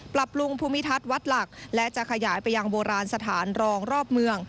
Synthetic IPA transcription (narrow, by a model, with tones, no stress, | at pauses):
pɾa˨˩p̚lu˧ŋpʰuː˧mi˦˥t̪ʰa˦˥t̪̚wa˦˥t̪̚la˨˩k̚lɛ˦˥t͡ɕa˨˩kʰa˧jaː˩˦jpa˧jːa˧ŋboː˧ɾaː˧nsa˧t̪ʰaː˩˦nɾɔː˧ŋɾɔː˥˩p̚mɯ˧əŋ